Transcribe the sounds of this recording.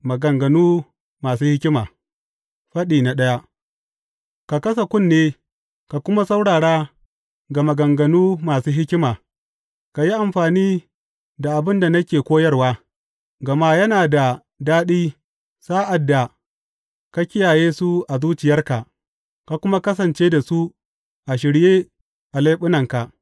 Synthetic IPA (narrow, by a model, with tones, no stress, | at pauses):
mɐ˨ɡɐ˨ŋɡɐ˨nuː˦ | maː˨suː˦hɪ˦kʲɪ˦maː˨ | ɸɐ˦ɗiː˨na˨ɗɐ˦ja˦ʔ | ka˨kɐ˦s̬a˨kʷʊ˦nːeː˦ | ka˨kʷʊ˦ma˦sa˦wɽaː˨ɽaː˦ | ɡa˨mɐ˨ɡɐ˨ŋɡɐ˨nuː˦maː˨suː˦ɦɪ˦kʲɪ˦maː˨ | ka˨ji˦ʔa˨mɸaː˨niː˦ | da˨ʔa˨bɪ˦nda˨nɐ˦kʲeː˨kʷoː˦jɐ˦rwaː˦ | ɡɐ˨ma˦jɐ˦naː˨da˨ | daː˦ɗiː˦ | saː˦ʔa˨dːa˨ | ka˦kʲɪ˦jaː˨jeː˦su˦ʔa˨zuː˦t͡ʃɪ˨jɐ˦rka˨ʔ | ka˨kʷʊ˦ma˦kɐ˦s̬ɐ˨nt͡ʃeː˦da˨su˦ | ʔa˨ʃ̬ɪ˨ɽjeː˦ | ʔa˨la˦ɓʊ˦nɐ˨ŋka˨ʔ